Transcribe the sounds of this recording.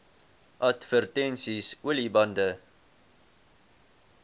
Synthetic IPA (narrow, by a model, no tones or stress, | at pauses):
ʔɐtfərtɛnsisuəlibɐndə